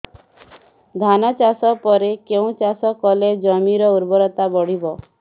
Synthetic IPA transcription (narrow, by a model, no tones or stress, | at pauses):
d̪ʱanat͡ʃasɔpɔɾekeũt͡ʃasɔkɔled͡ʒɔmiɾɔuɾbɔɾɔt̪abɔɽ̤ibɔ